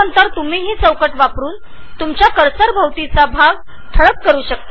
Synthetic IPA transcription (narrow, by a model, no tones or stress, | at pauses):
ənt̪əɾt̪um̤iːɦiːsə̃wkəʈʋapɾuːn | t̪umt͡ɕjakəɾsəɾbʱəʋt̪it͡sabʱaɡ | ʈ̪ʰəɭəkːəɾuːɕək̚t̪a